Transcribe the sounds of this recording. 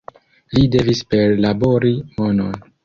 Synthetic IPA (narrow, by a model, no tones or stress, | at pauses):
lide̞vispe̞ɾlabo̞ɾimono̞̰n